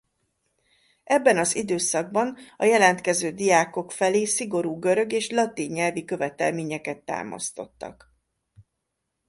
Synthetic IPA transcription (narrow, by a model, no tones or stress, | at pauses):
ɛbːɛnɒzid̪øːsɒɡ̚bɒnɒjɛlɛnt̪kɛzøːd̪ijaːko̞kfɛleːsiɡo̞ɾuːɡø̞ɾø̞ɡeːʃlɒt̪iɲːɛlvikø̞vɛt̪ɛlmeːɲɛkɛt̪ːa̰ːmɒ̰st̪o̞̰t̪ːɒ̰k